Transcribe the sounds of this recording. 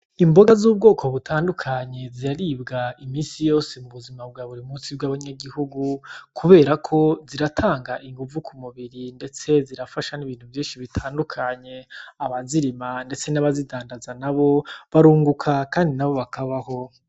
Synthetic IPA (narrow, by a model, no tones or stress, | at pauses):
imbo̞ɡazuːb̚ɡo̞ːkʰo̞βutʰaːndukʰaɲe̞ziɾaɾibɡaimiːsijo̞ːsemuβuzimab̚ɡaːβuɾimuːsibɡaːβaɲaɡihuɡukʰuβe̞ːɾakʰo̞ziɾatʰaːŋɡaʔiŋɡuvukʰumuβiɾinde̞t͡se̞ziɾafaʃaniβiːn̥huvjiːnʃiβitʰaːndukʰaɲe̞aβaziɾimande̞t͡se̞naβazidaːndazanaβo̞βaɾuːŋɡukʰakaːndinaβo̞βakʰaβaho̞